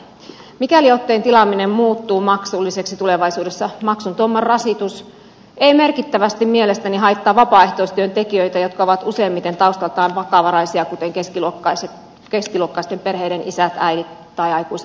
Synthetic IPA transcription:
mikæliot̪ːeint̪ilɑmːinemmuːt̪ːuːmɑksulːiseksit̪uleʋɑisuːdesːɑmɑksunt̪uomːɑrrɑsit̪us | eimerkit̪ːæʋæst̪immielest̪æniɦɑit̪ːɑːʋɑpɑːeht̪oist̪yønt̪ekiøit̪æjot̪kɑoʋɑt̪useːmːit̪ent̪ɑust̪ɑlt̪ɑːnʋɑkɑʋɑɾɑisiɑkut̪eŋkeskiluokːɑiset̪ | keskiluokːɑist̪emperheiɾenisæt̪æidit̪ | t̪ɑijɑikuiset̪

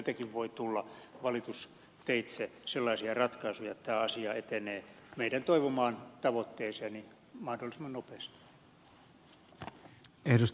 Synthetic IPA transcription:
t̪ækiʋʋoit̪ulːɑʋɑlit̪us | t̪eit̪seselːɑisiɑrɑt̪kɑisujɑet̪t̪æːɑsiɑet̪eneːmeidænt̪oiʋomɑːnt̪ɑʋot̪ːeːseɑni | mɑhdolːˑisemːɑnopest̪i̥ | ehdus

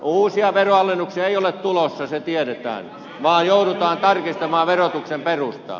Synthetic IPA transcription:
uːsiɑʋeroɑlːenːuksiɑeiolett̪ulosːɑset̪ieɾet̪æ̰ːn | ʋɑːjjouɾut̪ɑːnt̪ɑrkist̪ɑmɑːʋerot̪uksemperust̪ɑ̰

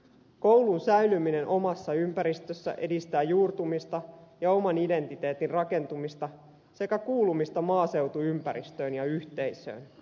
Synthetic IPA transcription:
ko̞wlunsæylymine̞nʔo̞mɑsːɑympæɾist̪øsːæ̰ʔe̞dist̪æːjuːrt̪umist̪ɑjɑo̞mɑnide̞nt̪it̪e̞ːt̪inrɑke̞nt̪umist̪ɑ | se̞kækuːlumist̪ɑmɑːse̞wt̪uympæɾist̪ø̞ːnjɑyçt̪e̞jsø̞̰ːn

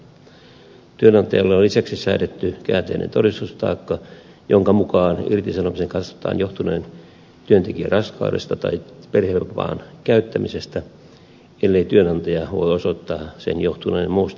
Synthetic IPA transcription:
t̪yønɑnt̪ɑjɑlːɑolːisæksisæːtet̪ːykæːt̪einʔḛnt̪orist̪ust̪ɑ̰ːkːɑ | joŋkɑmukɑːnirt̪isɑnomiseŋkɑt̪sʋɑ̥t̪ɑ̰ːnjoht̪unen | t̪yønt̪ekiø̰rʔɑskɑ̰udest̪ɑt̪ɑ̰iperhepːɑ̰ːnkæyt̪ːæmisest̪æ | elːeit̪yønɑnt̪ɑjɑʋo̰iosot̪ːɑːsḛnjoht̪unejmmuːst̪

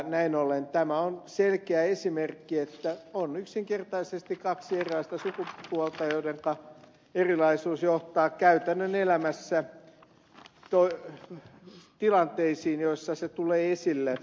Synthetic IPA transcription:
næinolent̪æmæonselkeæesimerkːiet̪ːæonyksiŋkert̪ɑisest̪ikkɑksierilɑist̪ɑsukupuɔlt̪ɑjoideŋkɑ | erilɑisuːsjoht̪ɑːkkæyt̪ænːønelæmæsːæ | t̪oi | t̪ilɑnt̪eisiːnjoisːɑset̪uleːesilːe

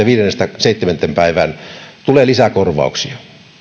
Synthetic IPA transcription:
ɑʋiːɾenːest̪æseit̪ːement̪ːempæiʋænt̪uleːlisækorʋɑ̰ˑuksiɑ̥

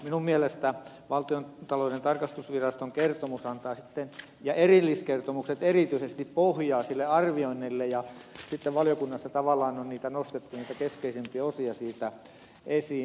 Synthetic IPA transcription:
minummiælest̪æ | ʋɑlt̪iont̪ɑloinent̪ɑrkɑst̪usʋirɑst̪oŋkert̪omusɑnt̪ɑːsit̪ːen | jɑʔerilːiskert̪omukset̪erit̪yisest̪ippohjɑːsilːeɑrʋioinːilːejɑsit̪ːeʋʋɑlijokunːɑsːɑt̪ɑʋɑlːˑɑːnonniːt̪ænost̪et̪ːuniːt̪ækeskeisempieosiɑsiːt̪æ | ʔesiː

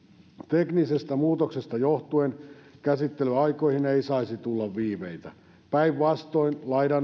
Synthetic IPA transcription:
t̪eknisest̪æmuːt̪oksest̪ɑjoht̪uenkæsit̪ːelyɑikoihineisɑisit̪ulːɑʋʋiːmeit̪æ | pæiʋʋɑst̪oinlɑidɑn

